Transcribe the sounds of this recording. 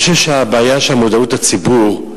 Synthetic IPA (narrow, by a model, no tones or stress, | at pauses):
ʃevʃeabaːjaʃelhamodautat͡sibuʁ